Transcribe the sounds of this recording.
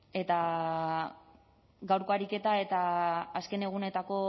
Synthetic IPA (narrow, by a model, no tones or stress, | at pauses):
e̞t̪a | ɡawɾkoaɾike̞t̪ae̞t̪aːske̞ne̞ɣ̞une̞t̪ako̞